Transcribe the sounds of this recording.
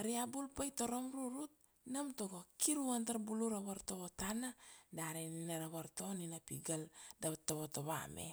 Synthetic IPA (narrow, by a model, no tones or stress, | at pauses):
aɾiabulpajto̞ɾomɾuɾut̚ | namtoɡokiɾuantaɾbuluɾaβaɾtoβotanadaɾeninaɾaβaɾto̞ninapiɡaldatoβotoβa̰mḛ